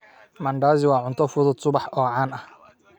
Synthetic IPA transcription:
mɐɳɖaːzɪwɑːʕʊnt̪ʰɔfʊðʊd̪sʊβɑħɔːʕɑːnɐh

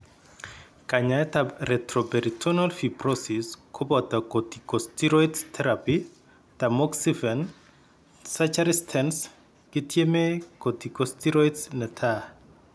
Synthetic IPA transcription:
kaɲajtarɛtɾɔbɛɾitʰɔnalfiprɔsiskʰɔbɔtakotikɔstiɾɔittʰɛɾapi | tamɔksifɛn | sat͡ʃaɾistʰɛns | kɪtʰjemekotikɔstiɾɔitsnɛtʰa

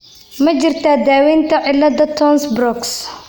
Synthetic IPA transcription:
mɐt͡ʃɪrt̪ʰaːd̪aːwɛːnt̪ʰɐʕɪlːɐdɐt̪ʰɔːnsbrɔks

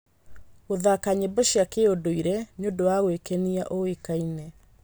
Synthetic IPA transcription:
oðakaɲebɔɕjakeodoiɾɛɲondowaɣwekɛniaʔoekainɛ

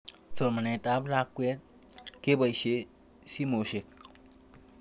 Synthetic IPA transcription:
t͡somanet̪ablakwet̪̚ | kebəjɕe | simoɕek̚

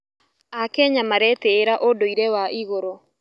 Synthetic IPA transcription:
akɛɲamaɾɛtɛːɾaʔodoiɾɛwaʔiɣoɾo

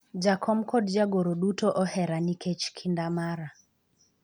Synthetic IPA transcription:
d͡ʒakʰɔmkɔdd͡ʒaɡoɾoɗutoʔɔhɛɾanikʰet͡ʃkʰindamaɾa

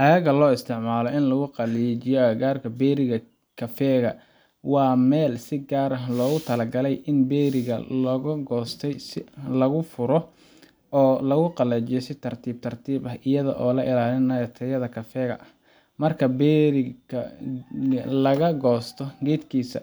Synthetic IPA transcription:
ʔɐjɐɣɐlɔːɪst̪ʰɪʕmaːlɔʔɪnlɐɣʊqɑlɛt͡ʃɪjɔɡaːrkʰɐbɛːɾɪɣɐ | kʰɐfɛːɣɐ | wɑːmɛːlsɪɡaːɾɐɦlɔːɣʊt̪ʰɐlɐɡɐlɛjʔɪnbɛːɾɪɣɐ̰lɐɣʊɡɔːst̪ʰɛjsɪlɐɣʊfʊɾɔ | ɔːlɐɣʊqɑlɛːt͡ʃɪjɔsɪt̪ʰɐrt̪ʰiːb̚t̪ʰɐrt̪ʰiːbɐɦʔɪjɐðɐ̰ʔɔːlɐʔɪlaːlɪnɐjɐt̪ʰɐjɐðɐkʰɐfɛːɣɐ̰ʔh | mɐrkʰɐbɛɾɪɐ | lɐɣɐɡɔːst̪ʰɔɡɛːd̪kʰiːsɐ̰

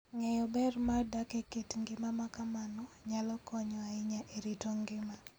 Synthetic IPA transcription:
ŋɛjɔbɛrmadakeketŋɡɪmamakamanɔ | ɲalɔkɔɲɔaɪɲaʔeɾitoŋɡɪma

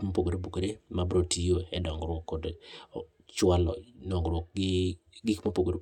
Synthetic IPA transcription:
mapoɡoɾebokoɾemabɾotʰijoɛdɔŋɡɾwɔkːɔd | t͡ʃwalɔ̰dɔŋɡɾwɔk̚ɡ | ɡɪkmapoɡoɾe

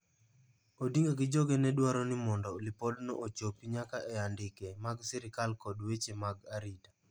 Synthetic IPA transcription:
odiŋɡaɡɪd͡ʒɔɡɛnɛdwaɾɔnɪmɔndɔlɪpɔlnɔ̰ʔot͡ʃopiɲakaʔɛandɪkɛmaɡsɪɾɪkalkɔdwet͡ʃemaɡaɾita

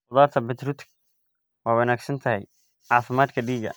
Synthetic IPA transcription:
ʊðaːrt̪ʰɐbɛt̪ɾut̪k | wɑːwɐnaːɡsɐnt̪ʰɐɦɛj | ʕɑːfɪmaːd̪kʰɐɖiːɡɐ̰

